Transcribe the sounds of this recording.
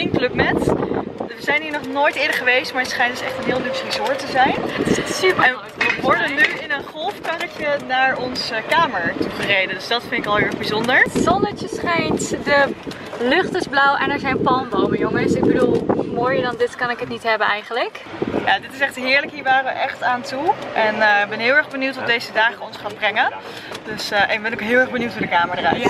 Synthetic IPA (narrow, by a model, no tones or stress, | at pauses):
ɪnklɵpmɛt | ʋəzɛjnɦiːɹnɔχnoːjtɪːdəχəʋejstmaːɹətsχɛjntdəsɛχtənɦɪːlˠdypsrizʊːɹtəzɛjnɪssypən | əʋɔɹdənyɪnənχɔlˠfkanət͡ʃənaːɹɔnsəkaːməɹtubərejdəndɵsdɑtfɪndɪkɑlˠɦɪɹɛχbizɔndəɹzɔndəɹtjəsχɛjntdə | lɵχtɪzblɔwʔɛnɛɹzɛjnpɑlnbowməjoŋəsɪɡ̚bədulˠmoːjəɹdɑndɪtkɑnɪkətnitɦɛbənɛjχənləkja̰ːdɪtɪsɛχtɦɪːɹləkɦiːɹʋaːrəʋəʔɛχtaːntuʔɛnbɛnɦɪːlˠɛɹχbənuwtɔdejzədaːχəɔnsχaːnbrɛŋən | døsʔɛəbɛnokɦɪːlˠɛɹχbənuwtəːdəkaːməɹdərɛ̰j